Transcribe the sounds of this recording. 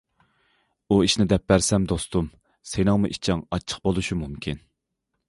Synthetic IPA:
uiʃnɪd̪ɛp̚bæɾsɛmd̪ost̪um | senɪŋmuʔit͡ʃʰɛŋɑt͡ʃʰːə̥q̚bolˠuʃumumkʲʰin

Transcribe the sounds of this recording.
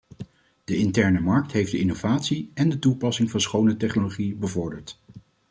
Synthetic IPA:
d̥əɪntɛɹnəmɑɹk̚tɦejfdəɪnowvaːtsiɛndətupɑsɪŋvɑnsχownətɛχnoloχibəvɔɹdəɹt

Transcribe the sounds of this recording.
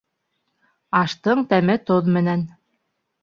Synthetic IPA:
ɑʃt̪ɤɴt̪æmɘt̪oðmɘ̆næn

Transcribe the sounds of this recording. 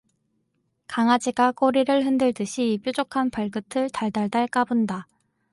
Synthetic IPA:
kaŋad͡ʑiɡak͈oɾiɾɯɭɦɯndɯɭdɯɕʰip͈jud͡ʑokʰanpaɭɡɯtʰɯɭtaɭdaɭdaɭk͈abɯnda

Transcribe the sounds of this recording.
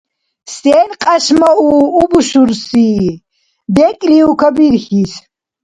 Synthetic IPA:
st̪ɛːnqʼaʃmauːbuʃuɾsiː | b̪ɛkʼliukʰabiɾxis

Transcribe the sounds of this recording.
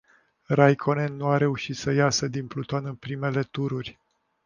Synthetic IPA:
rajkʰo̞nennːuaɾe̞uʃit̪səjasəd̪inplut̪o̞nɨnpɾime̞le̞t̪uɾurʲ

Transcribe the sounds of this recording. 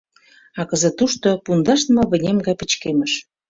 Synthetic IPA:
ɑkə̆zĕt̪uʃt̪opund̪ɑʃtnmɤ̆βə̆nʲemɡɑjpə̆t͡ɕkemə̆ʃ

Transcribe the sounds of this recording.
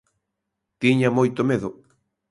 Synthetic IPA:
t̪iɲamojt̪omeðo

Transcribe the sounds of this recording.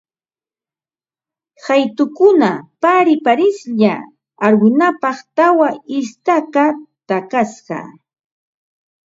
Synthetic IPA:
hajt̪ʊkʊnapaɾɪpaɾɪsʎa̰ː | ɾwɪnapɑχt̪awaɪst̪akat̪akasɢɑ̰

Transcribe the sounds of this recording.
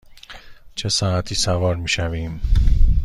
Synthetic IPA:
t͡ʃʰesɒːæt̪ʰiːsævɒːɾmiːʃæviːm

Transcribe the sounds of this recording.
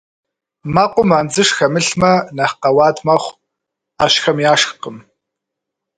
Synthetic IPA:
maqʷʊmaːnd͡zɨʂxɐmɨɬmɐnɐhqɐwɑːdmɐχʷ | aɕxɐmjaːʂqəm

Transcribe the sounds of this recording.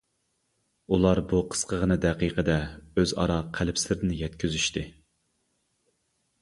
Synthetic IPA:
ulˠɑɾbuqʰə̥sqʰəʁənɨd̪ɛqiqʰəd̪ɛøzɑ̰ɾɑqʰælɪpsɪlɪɾɪnɪjɛt̪kʲʰyzyʃt̪ʰɪ

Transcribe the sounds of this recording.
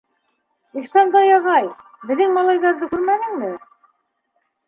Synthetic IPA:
iχsɑnd̪ɑjɑʁɑj | bɘ̆ðɘŋmɑlˠɑjðɑɾðɤkʉɾmænɘ̆ŋmɘ

